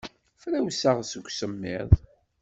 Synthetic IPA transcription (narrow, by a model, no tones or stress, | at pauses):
fɾæwsaʁsəɡʷsəmːɪ̰ðˤ